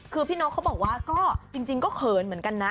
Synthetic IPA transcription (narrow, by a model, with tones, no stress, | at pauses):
kʰɯː˧pʰiː˥˩nɔː˦˥kʰa˦˥wbɔː˨˩k̚waː˧˩kɔː˥˩t͡ɕi˧ŋt͡ɕi˧ŋkɔː˥˩kʰɤː˨˩nm˩˦ənka˧nːa˦˥